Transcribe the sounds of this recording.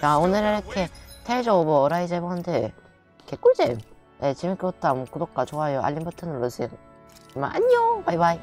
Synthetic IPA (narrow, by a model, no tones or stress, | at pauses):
aonɯɾɾɯkʰetʰeɭd͡ʑoboːɾaid͡ʑebonɯnde | kʰek͈uɭd͡ʑem | et͡ɕimik͈ɯot͈amkudok͈at͡ɕoajoa̰lːimbɯtʰɯnɯɭːosʰi | ima̰ʔa̰ɲobajbai